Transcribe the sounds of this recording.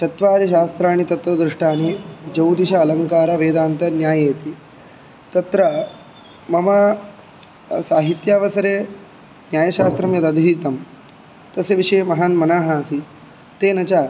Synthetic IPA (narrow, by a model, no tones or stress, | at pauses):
t̪ɐt̪ʋaːɾɐʃaːst̪ɾaːɽ̃it̪ɐt̪ʋɐd̪ɾuʂʈaːneːd͡ʒɐwt̪iʃaːlɐŋkaːɾaʋeːd̪aːnt̪ɐnjaːjet̪iː | t̪ɐt̪ɾɐ | mɐma | saːɦit̪jaːʋɐsɐɾeː | njaːjɐʃaːst̪ɾɐmjɐt̪ɐd̪ʱiːt̪ɐm | t̪ɐseʋiʂɐjmɐɦaːnmɐnaːɦaːsi | t̪ːeːnɐt͡ʃaː